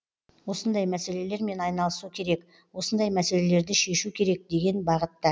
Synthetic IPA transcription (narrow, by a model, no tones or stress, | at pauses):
wo̞sənd̪ɑjmæse̞le̞le̞ɾme̞nɑjnɑlˠəsukʲʰe̞ɾe̞k | wo̞sənd̪ɑjmæse̞le̞le̞ɾd̪ɪʃe̞ʃukʲʰe̞ɾe̞k̚d̪e̞ɡʲe̞nbɑʁət̪ːɑ